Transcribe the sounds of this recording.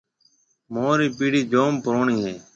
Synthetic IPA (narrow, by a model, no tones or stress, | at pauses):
moːɾiːpiːɽiːd͡ʒoːmpəɾoːɳiːɦeː